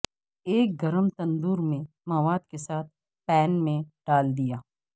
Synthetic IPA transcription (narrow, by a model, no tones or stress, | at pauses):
eːk̚ɡɐɾəmt̪ɐ̃nd̪uːɾmẽ | mɐʋaːd̪̚kesaːt̪̚ʰ | pɛːnmẽɖ̥aːld̪ijaː